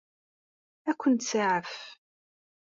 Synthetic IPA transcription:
ækʷːənt̪saʕəf

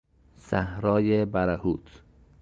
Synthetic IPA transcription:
sæhɾɒːjebæɾæhuːt̪ʰ

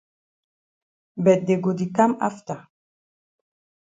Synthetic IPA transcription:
bɛd̪ɛɡod̪ikama̰ft̪a

